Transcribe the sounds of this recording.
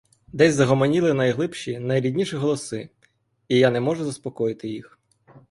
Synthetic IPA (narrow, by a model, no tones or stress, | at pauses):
d̪ɛsʲzɐɦɔmɔnʲilˠɪnɐjɦlˠɪpʃinɐjɾʲidʲnʲiʃiɦɔlˠɔsɪ | ijanɛmɔʒʊzɐspɔkɔjɪt̪ɪjix